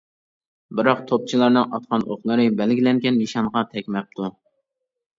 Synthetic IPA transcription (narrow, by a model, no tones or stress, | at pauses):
bɨɾɑqt̪ʰop̚t͡ʃʰilˠɑɾnɨŋɑ̰t̪̚qʰɑnoχlˠɨɾɨbɛlɡʲilɛŋɡʲɛnmiʃɑɴʁɑt̪ʰɛkʲmɛp̚t̪ʰu